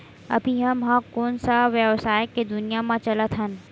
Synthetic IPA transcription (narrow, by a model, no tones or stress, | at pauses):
ɐ̰bʱiɦɐmɦãkoːnsaʋjəʋsaːjked̪ʊnijamãt͡ʃɐlət̪ɦən